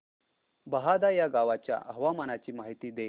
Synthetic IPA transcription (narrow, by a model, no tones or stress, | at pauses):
bəɦad̪ajaɡaʋat͡ɕja̰ʔəɦəʋamanat͡ɕiːmaɦit̪iːd̪e